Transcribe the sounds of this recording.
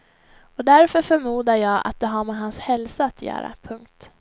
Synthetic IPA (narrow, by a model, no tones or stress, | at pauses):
ɔd̪æɾfœɾfœɾmuːd̪ajɑːa̰t̪̚d̪ɛɦaɾmɛɦanshɛlsaːt̪ʰjœ̰ːɾa̰pʰɵŋk̚t̪